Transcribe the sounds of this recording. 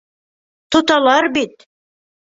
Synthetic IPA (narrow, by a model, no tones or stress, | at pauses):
t̪ŏt̪ɑlˠɑɾbit̪